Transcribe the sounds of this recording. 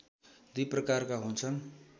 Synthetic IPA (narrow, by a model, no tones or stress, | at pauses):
d̪iprʌkarkaɦunt͡sʰʌn